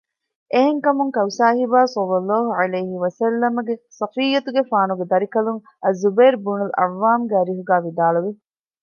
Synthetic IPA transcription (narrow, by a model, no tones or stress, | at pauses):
ʔeɦeŋkɐmuŋkɐwsaːɦibaːsɐlːɐlːɑːɦuʕɐlejɦiʋɐsɐlːɐmɐɡesɐfijːɐt̪uɡefaːnuɡed̪ɐɾikɐluŋ | ɐzːubeːɾbunulɐ̰ʋːaːmɡæːɾiɦuɡæːʋid̪aːɭuʋi